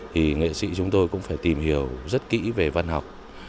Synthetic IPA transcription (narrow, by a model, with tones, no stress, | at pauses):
t̪ʰi˨˩ŋḛ˧˨sḭ˧˥t͡ɕʊ˨˦ŋ͡mt̪o˧jkʊ̰˧˥ŋ͡mfaː˧˩jt̪i˨˩mhi˧˩əwzə˦˥t̚kḭ˧˥ve˨˩va˧nɦa˨˩wk͡p̚